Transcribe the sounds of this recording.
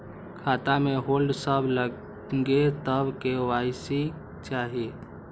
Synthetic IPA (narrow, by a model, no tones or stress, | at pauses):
kʰat̪ameɦolɖsəbʱlə | ɡet̪əbkeajsi | t͡ʃaɦie